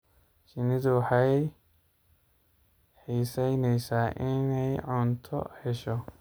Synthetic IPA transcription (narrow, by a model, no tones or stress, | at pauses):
t͡ʃɪnɪðʊwħɑj | ħiːsɛjnɛjsaːʔɪnɛjʕʊnt̪ʰɔ̰hɛʃɔ